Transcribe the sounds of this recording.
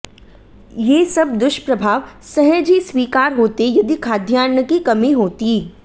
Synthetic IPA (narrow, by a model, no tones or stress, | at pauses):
jeːsɐb̚d̪ʊʃpɾəbʱaːʋsɐɦɛ̃d͡ʒiswiːkaːɾɦoːt̪ejʊd̪ikʰaːd̪ʱjaːnjəkikɐmĩɦoːt̪i